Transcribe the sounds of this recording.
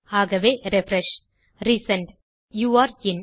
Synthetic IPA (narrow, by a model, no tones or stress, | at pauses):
aːɡɐʋeːɾefɾɛʃ | ɾiːsɐ̃ɳɖ | juːaːɾɪn